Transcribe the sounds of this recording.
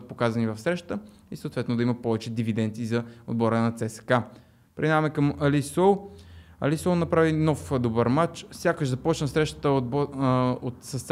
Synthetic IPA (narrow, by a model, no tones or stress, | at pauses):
t̪̚pokazɐnivɐfsɾɛʃt̪ə | isoːt̪vɛt̪nod̪ɐimɐpɔvɛt͡ʃɛd̪ivid̪ɛnt̪siːzɐod̪̚bɔɾənɐt̪sɛsɛ̥ka | pɾɛ̰d̪amɛkəmɐlisɔlˠɐ̰lisɔlˠnɐpɾavinɔfd̪obəɾmat͡ʃsʲjakəʒzɐpɔt͡ʃnəsɾɛʃt̪ə̥t̪əbot̪sɐst̪s